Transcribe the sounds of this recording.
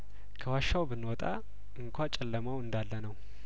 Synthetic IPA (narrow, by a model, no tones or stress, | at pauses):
kʰəwaʃːawbɨnːwɔt̪ʼa̰ | ɨŋkʷʰat͡ʃʼɛlːəmawɨnd̪alːənəw